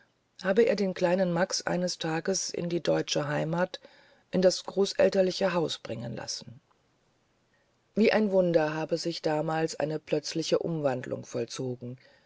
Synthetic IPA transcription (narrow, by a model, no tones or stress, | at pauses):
haːbəʔḛːɐdeːnkl̥aɪnənmaksʔa̰ɪnəstʰaːɡəsɪ̰ndiːdɔʏt͡ʃəɦaɪmaːt | ʔɪndasɡ̥ʁoːsʔɛ̰ltɐlɪçəɦaʊsb̥ʁɪŋənla̰sn̩ | viːʔaɪnvʊndɐɦaːbəzɪçd̥aːmaːlsʔa̰ɪnəpʰl̥œt͡slɪçəʔʊ̰mvandlʊ̰ŋfɔlt͡soːɡŋ̩